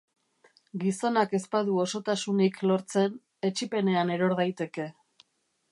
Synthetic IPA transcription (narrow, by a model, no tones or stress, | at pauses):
ɡiso̞nake̞spaðuo̞so̞t̪asuniklo̞ɾt͡se̞n | e̞t͡ʃipe̞ne̞ane̞ɾo̞ɾðajt̪e̞ke̞